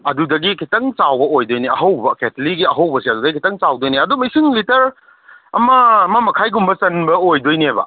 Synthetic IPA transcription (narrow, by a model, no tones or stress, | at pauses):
ɐdudɐɡikʰitɐŋt͡ʃawbɐojdojniɐɦɐwbɐketɐliɡiɐɦɐwbɐsiɐdudɐɡikʰitɐŋt͡ʃawdojniɐdumɐjsiŋlitɐɾ | ɐmɐɐmɐmɐkʰajɡumbɐsɐnbɐojdojniajbɐ̰